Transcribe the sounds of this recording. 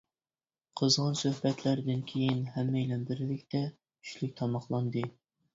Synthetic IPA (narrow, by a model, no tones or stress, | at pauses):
qʰəzʁɑnsøhbɛt̪ʰlæɾd̪ɪnkʲʰejinɦɛmːɛjlɛnbɪɾɪlɪkʲt̪ʰɛ | kʰy̥ʃlyk̚ʲt̪ʰɑmɑχlˠɑnd̪ɨ